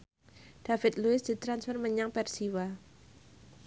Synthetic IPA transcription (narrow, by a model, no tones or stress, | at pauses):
d̥afɪt̪̚luɪsd̪̥i̤t̪ɾansfərməɲaŋpɛrsiwa